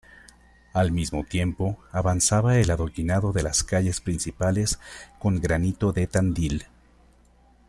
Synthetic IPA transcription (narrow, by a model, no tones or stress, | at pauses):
almizmo̞t̪je̞mpo̞aβansaβae̞laðo̞kinaðo̞ðe̞laskaʝe̞spɾinsipale̞sko̞ŋɡɾanit̪o̞ðe̞t̪and̪il